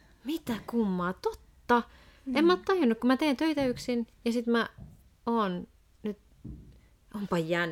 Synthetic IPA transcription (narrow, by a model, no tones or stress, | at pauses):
mit̪ækumːɑːt̪ot̪ːɑ | emːæot̪t̪ɑjunːukkumæt̪eːnt̪øit̪æyksinjɑsit̪mæ | oːn | nyt̪ | ompɑjjæn